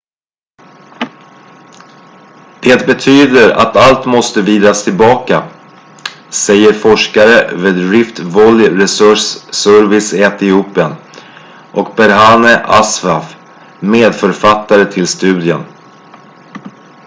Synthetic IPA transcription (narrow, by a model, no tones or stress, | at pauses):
pʰeːt̪bɛt̪ʰyːd̪əɾa̰t̪alt̪mɔst̪əviːd̪ɾast̪ʰɪlbɑːka̰ | sɛjːəɾfɔʂkaɾəveːd̪ɾɪft̪vɔljɾɛsɵʂsœɾvɪsɛt̪ɪuːpɪən | ʔɔkbɛɾɦaːnəʔasvaf | meːd̪fœɾfat̪ːaɾət̪ʰɪlst̪ʉ̟ːd̪ɪən